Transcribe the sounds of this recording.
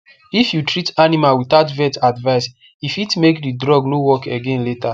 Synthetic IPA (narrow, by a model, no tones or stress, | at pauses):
ifjutɹitanimalwiθatvɛtadvaɪs | ifitmekdidɹɔɡnowɔkeɡẽnleta